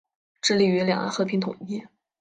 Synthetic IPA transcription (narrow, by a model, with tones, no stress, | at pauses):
ʈ͡ʂɻ̩˥˧li˧˥˩y˧˥ljɑ̰˨˩ŋa̰˧˥nxɤ˧˥˩pʰi˧˥ŋt̪ʰʊ̰˨˩ŋi˥˩